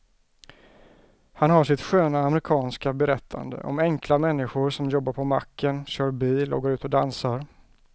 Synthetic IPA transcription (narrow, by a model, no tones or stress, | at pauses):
hanɦaʂɪt̪ɧøːnaːmɾɪkʰɑːnskabɛɾɛt̪ʰːa̰nd̪ə̰ʔɔ̰mɛŋklamɛnːɪɧʊɾʂɔmjɔbːaɾpʰɔma̰kːənɕœːɾbiːlɔ̰ːɡəɾʉ̟ːt̪ɔd̪ansaɾ